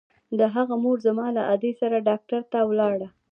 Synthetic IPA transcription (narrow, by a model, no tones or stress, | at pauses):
d̪əɦaɣamoɾzamɑlaʔad̪esaɾaɖɑk̚ʈaɾt̪awlɑɽa